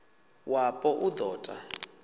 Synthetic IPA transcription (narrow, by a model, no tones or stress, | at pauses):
wapʼɔʔud̪ɔːtʼa